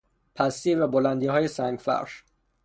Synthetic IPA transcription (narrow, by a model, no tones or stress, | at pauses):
pʰæst̪iːvæbolænd̪iːɦɒːjesæŋɡfæ̰ɾʃ